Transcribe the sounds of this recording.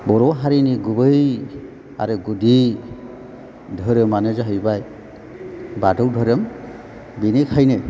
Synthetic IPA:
bɔɾɔɦaɾiniɡubɯj | a̰ɾɯɡudi | dʱəɾɯmanɯzaɦɯjbaj | badɯwdʱɔɾɯm | binikʰajne

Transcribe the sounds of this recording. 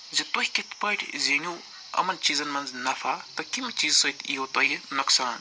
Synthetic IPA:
zɐt̪oɦʲikʲit̪ʰpɐʈʲʰzenʲu | ɐ̰mɐnt͡ʃiːzɐnmɐnznɐfʰaːt̪ɐkimit͡ʃiːzsɐt̪ʰiɦot̪ɐjnɐksaːn

